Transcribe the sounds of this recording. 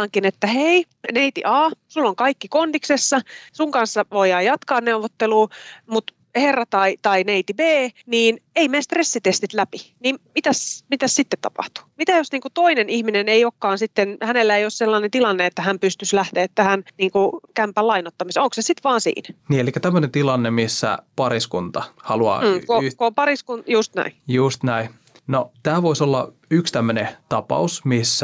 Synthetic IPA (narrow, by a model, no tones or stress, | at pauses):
ɑŋkinet̪ːæhei | neit̪ḭʔɑːsulːoŋkɑikːikondiksesːɑsuŋkɑnsːɑʋoijɑːjɑt̪kɑːnneuʋot̪ːeluːmut̪ | herːɑt̪ɑit̪ɑineit̪ibeːniːneimest̪resːit̪est̪it̪læpiniːmmit̪æsmit̪æssit̪ːet̪t̪ɑ̰pɑ̰ht̪u̥mit̪æjosniːŋkut̪oinenihmineneiokːɑːnsit̪ːenhænelːæeiosselːɑːnent̪ilɑnːeet̪ːæhæmpyst̪yslæht̪eːt̪t̪ːæhænniːŋkukæmpælɑinot̪ːɑmiseoŋksesit̪ʋɑːnsḭːnæniːelikːæt̪æmːønent̪ilɑnːemisːæ̰pɑɾiskunt̪ɑhɑluɑ̰ːkokopɑriskunjust̪næ̰ijust̪næi | not̪æːʋoisolːɑ̰ | ykst̪æmːønet̪ɑpɑ̰usmisːæ